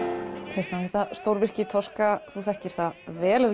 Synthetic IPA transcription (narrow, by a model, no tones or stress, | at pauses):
kʰɾɪst̪manθɛht̪ast̪owɾvɪr̥cɪt̪ʰɔskaθuθɛhcɪɾ̥θaðvɛːlœv